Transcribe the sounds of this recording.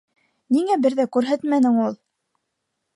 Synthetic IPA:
niŋæbɘ̆ɾðækʉɾɦæt̪mænɘŋulˠ

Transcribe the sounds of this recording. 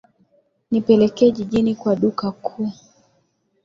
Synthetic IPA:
nipɛlɛkɛːʄiʄinikwaɗukakʰuː

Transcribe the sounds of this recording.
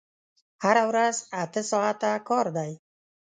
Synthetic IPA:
haɾawɾazat̪əsɔat̪akɔɾd̪aj

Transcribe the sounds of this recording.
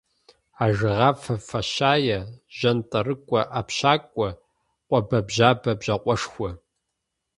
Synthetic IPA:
aːʒɨʁafɐfɐʃaːjɛʒɐntʼɐrɨkʷʼɔʔapɕaːkʷʼɔ | qʷʼɔbɐbʑaːbɐbʑɐqʷʼɔʂxʷɔ

